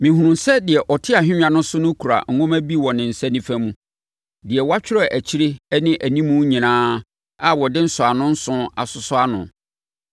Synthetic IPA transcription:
mɪ̃˨hu˨nũ˨sɛ˦dɪ˨ɛ˨ʔɔ˨tʰɪ˦a˨ɦᶣɪ̃˦ã˨nʊ̃˦sʊ˦nʊ̃˦kʰu˨ɾa̰˨ŋ̩˨˦ɡʊ̃˦mæ˦bi˦˨wɔ̃˨nɪ̃˨n̩˨sɛ˦nĩ˦fæ̃˦mũ˦ | dɪ˨ɛ˨wa˦t͡ɕʰᶣɪ˦ɾɔ˦˨ʔæ˨t͡ɕʰi˦ɾɪ˦ɛ˦nɪ̃˦ʔæ˨nĩ˦mũ˦ɲĩ˨nãː˦ | a˨wɔ˨dɪ˦n̩˦sʊ˨a˨nʊ̃˦n̩˦sʊ̃˦a̰˨sʊ˨sʊ˦a˦nʊ̰̃˨

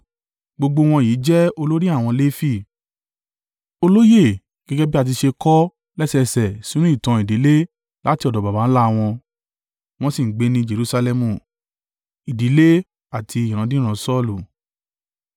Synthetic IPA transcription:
ɡ͡bo˧ɡ͡bo˧w̃ɔ̃˧ji˨˦d͡ʒɛ˦o˧lo˦ɾi˦a˦˨w̃ɔ̃˧le˦fi˦˨ | o˧lo˦je˦˨ | ɡ̥ɛ˦ɡɛ˦bi˦a˦˧t̬i˧ʃe˧kɔ˦ | lɛ˦sɛ˧sɛ˨si˨˦ɾ̃ũ˦i˦˨tã˨˧i˨di˨˦le˦ | la˨˦ti˧ɔ˨dɔ˨ba˨ba˨˦la˦˧w̃ɔ̃˧ | w̃ɔ̃˧si˦˨ŋ̩˨ɡ͡be˨˧nĩ˧d͡ʒe˧ɾu˧sa˧lɛ˧mũ˨ | i˨di˨˦le˦ | a˦˨tʰi˧i˨ɾ̃ã˨˦dĩ˦ɾ̃ã˧sɔ˦˨lu˨

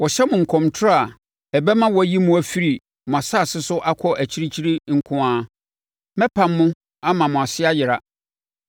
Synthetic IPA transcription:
wɔ˨ɕɛ˦mʊ̃˨ŋ̩˨kʰɔ̃˨mtʰʊ˦a˨ | ɛ˨bɛ˦mã˦wɔ˦æ˨ji˦mʊ̃˦æ˨fi˦ɾi˨ | mʊ̃˨a˨sa˦˨sɪ˦sʊ˦ʔa˦kʰɔ˦ʔæ˨t͡ɕʰi˦ɾi˦t͡ɕʰi˦ɾi˦ŋ̩˦kʰʊ̃˦aː˦ | mɛ̃˦pʰã˨mːʊ̃˦ | a˦mã˨mʊ̃˨a˨sɪ˦a˦jɪ˨ɾa˨

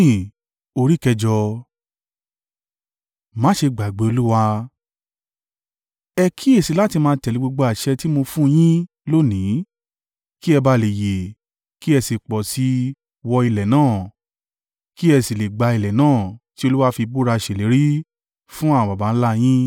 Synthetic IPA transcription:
o˧ɾi˦kɛ˧d͡ʒɔ˧ | mãː˨˦ʃe˧ɡ͡ba˨ɡ͡be˨˦o˧lu˦wa˧ | ɛ˧kʰi˦e˦˨si˧˦la˦ti˧mãː˧˦tɛ˨li˨˦ɡ͡bo˧ɡ͡bo˧a˨ʃɛ˧ti˦mo˧fũ˦˧j̃ĩ˦ | lo˦nĩ˨˦ | ki˦ɛ˧ba˧le˨je˨ | ki˦ɛ˧si˨k͡pɔ˨si˨˦ | wɔ˧i˧lɛ˨nãː˦˨ | ki˦ɛ˧si˨le˨ɡ͡ba˧i˧lɛ˨nãː˦˨ti˦o˧lu˦wa˧fi˧bu˦ɾa˧˨ʃe˨le˨˦ɾi˦ | fũ˦ã˦˨ã˨ba˨ba˨˦n̩˦la˦j̃ĩ˦

